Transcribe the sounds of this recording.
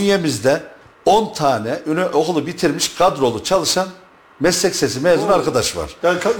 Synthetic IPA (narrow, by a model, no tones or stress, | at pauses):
nje̞mizd̪ɛ | ont̪ʰaːnɛʔynyʔo̞ɣulˠubit̪ʰiɾmiʃkʰad̪ɾo̞lˠut͡ʃʰalˠɯʃan | mɛslʲɛcse̞s̬imeːzunaɾkʰad̪aʃva̰ɾ̥